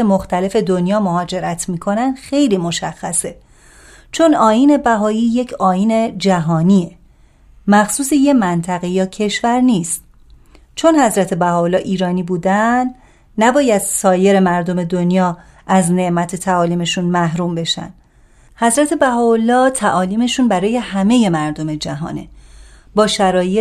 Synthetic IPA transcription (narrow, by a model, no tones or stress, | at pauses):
emoxt̪ʰæle̞fe̞d̪onjɒːmo̞ɦɒːd͡ʒe̞ɾæt̪ʰmiːkʰo̞nænd̪̥xe̞jliːmo̞ʃæxːæse̞ | t͡ʃʰo̞nɒːjiːne̞bæɦɒːiːje̞cʰɒːjiːne̞d͡ʒæɦɒːniːe | mæxsuːseje̞mænt̪ʰæɣe̞jɒːcʰe̞ʃvæɾniːst̪̚ | t͡ʃʰo̞nhæzɾæt̪ʰe̞bæhɒːolːɒːʔiːɾɒːniːbuːd̪æn | næbɒːjæd̪sɒːje̞ɾemæɾd̪o̞me̞d̪onjɒː | ʔæzne̞ʔmæt̪ʰe̞t̪ʰæɒːliːme̞ʃunmæɦɾuːmbe̞ʃæ̰n | hæzɾæt̪ʰe̞bæɦɒːolːɒːt̪ʰæʔɒːliːme̞ʃunbæɾɒːje̞hæme̞je̞mæɾd̪o̞me̞d͡ʒæɦɒ̰ːne̞̰ | bɒːʃæɾɒːje